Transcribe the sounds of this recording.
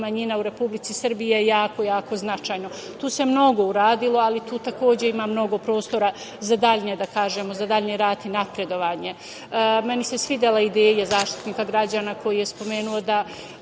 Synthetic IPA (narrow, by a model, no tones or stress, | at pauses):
maɲinauɾe̞publitsisr̩bijejaːko̞jaːkoznat͡ʃajno | t̪uːse̞mno̞ɡo̞uɾaːd̪ilˠo̞alit̪uːt̪ako̞ːd͡ʑe̞imamno̞ɡo̞pɾo̞ːst̪o̞ɾa | zad̪aʎɲed̪akaːʒemozad̪aʎɲeɾaːt̪inapɾe̞d̪o̞ʋaːɲe̞ | me̞nisesʋid̪elaid̪eːjezaːʃt̪i̥t̪niːkaɡɾad͡ʑaːnako̞jijespo̞me̞ːnuo̞d̪a